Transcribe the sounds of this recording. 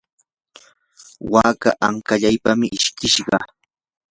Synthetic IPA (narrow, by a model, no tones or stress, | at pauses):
waːka̰ʔaŋkaʎajpamɪʔɪʃkɪʃɢɑ